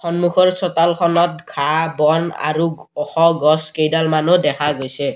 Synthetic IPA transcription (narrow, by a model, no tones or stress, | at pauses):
xɔnmukʰɔɹsɔtalkʰɔnɔt̪̚kʰabɔna̰ɹuɔxɔɡɔskejdalmanudɛkʰaɡojsɛ